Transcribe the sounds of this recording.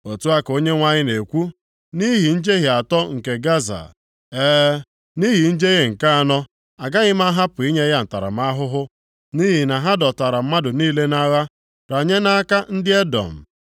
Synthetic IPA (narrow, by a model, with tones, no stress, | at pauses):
o˨tu˦a˦ko˦ɲe˦ŋʷa˦ɲɪ˦ne˨kʷu˦ | ni˦ɦi˨n̩˦d͡ʒe˦ɦi˨a˨tɔ˦ŋ̩˨ke˨ɡa˦za̰˨ | eː˦ | ni˦ɦi˨n̩˦d͡ʒe˦ɣe˦ŋ̩˨ka˦a˨nɔ˦ | a˨ɡa˦ɣɪ˦ma˦ɦa˦pʊ˨i˦ɲe˦ja˦n̩˨ta̰˨ɾa̰˨m˦a˦ɦʊ˦ɦʊ˦ | ni˦ɦi˨na˨ɦa˦dɔ˨ta˨ɾa˨m̩˦ma˦dʊ˨niː˦le˦na˦ɣa˦ | ɾa˨ɲe˦na˦ka˦n̩˦dɪ˦e˦dɔ̰˨m̩˨